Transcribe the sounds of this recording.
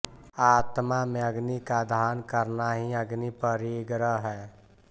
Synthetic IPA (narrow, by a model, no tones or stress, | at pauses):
aːt̪mamẽəɡnikad̪ʱaːnkəɾnaɦiəɡnipəɾiɡɾəɦɛː